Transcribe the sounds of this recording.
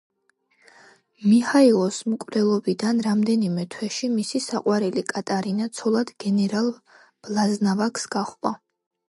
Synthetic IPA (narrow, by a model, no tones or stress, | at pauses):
mihailˠɔsmkʼvɾɛlˠɔbid̪anɾamd̪ɛnimɛt̪ʰwɛʃimisisaqʼwaɾɛlikʼat̪ʼaɾinat̪sʰɔlˠad̪̥ɡɛnɛɾalˠ | b̥lˠaznavaksɡ̥aχa